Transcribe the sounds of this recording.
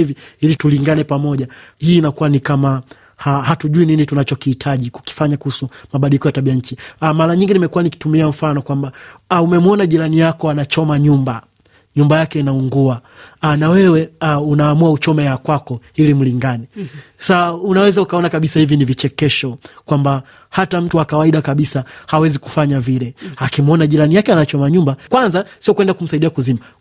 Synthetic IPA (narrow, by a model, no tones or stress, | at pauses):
iviilituliŋɡanɛpamɔʄahiːnakuwanikama | hahatuʄuininitunat͡ʃɔkihitʰaʄiku̥ki̥faɲakuhusumaɓaɗilikɔjataɓiaɲ̩t͡ʃiamaɾaɲiŋɡinimɛkuwaniki̥tumiam̩fanɔkwambaaumɛmɔnaʄiɾanijakɔanat͡ʃɔmaɲumba | ɲumbajakɛinauŋɡua | anawɛwɛaunaːmuaut͡ʃɔmɛjakwakɔilim̩liŋɡanɛsaunawɛzaukaɔnakaɓisahivinivit͡ʃɛkɛʃɔkwamba | hatam̩tuwakawaiɗakaɓisahawɛziku̥faɲavilɛakimɔnaʄiɾanijakɛanat͡ʃɔmaɲumbakwanzasiɔkwɛndakum̩saiɗiakuzima